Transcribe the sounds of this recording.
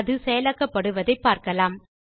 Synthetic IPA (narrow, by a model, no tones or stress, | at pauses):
ðɯsɛjɐlɐkːɐpːɐɽɯʋɐðɐɪpːaːɾkɐlaːm